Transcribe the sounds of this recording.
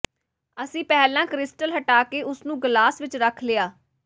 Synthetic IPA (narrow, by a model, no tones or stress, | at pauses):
əsĩːpɛːlãːkɾɪsʈəlɦəʈaːkeːʔʊsnũːɡlaːsʋɪt͡ʃɾəkʰleːaː